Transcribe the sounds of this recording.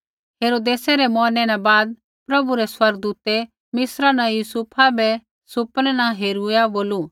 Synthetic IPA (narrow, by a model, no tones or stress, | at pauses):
ɦeːɾoːd̪eːsɛɾɛmɔːnɛ̃nɛbaːd̪̚ | pɾɐbuɾɛswɐɾɡ̚d̪uːt̪e | mɪsɾanãjuːsupʰabɛ | sʊpnɛnãɦeːɾujaboːlu